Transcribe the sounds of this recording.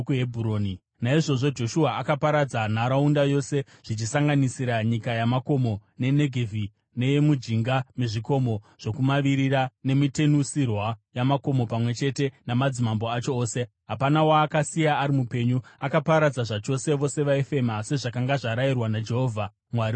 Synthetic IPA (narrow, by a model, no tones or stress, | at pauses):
kuebʱuɾoːni | naiʐo̞ʐod͡ʒo̞ʃuaʔakapaɾad͡zanaɾaundajo̞se̞ | ʐ̥it͡ʃisaŋɡanisiɾaɲikajamako̞mo̞ne̞ne̞ɡʱevʱi | ne̞je̞mud͡ʒiŋɡameʐiko̞mo̞ | ʐ̥o̞kumaʋiɾirane̞mite̞nusirwajamako̞mo̞pamwe̞t͡ʃe̞te̞namad͡zimambo̞at͡ʃo̞ːse̞ | ɦapanawaːkasijaːɾimupe̞ɲuakapaɾad͡zaʐat͡ʃo̞se̞ʋo̞se̞ʋaefe̞mase̞ʐakaŋɡaʐaɾairwanad͡ʒe̞ɦovʱa | mwaɾi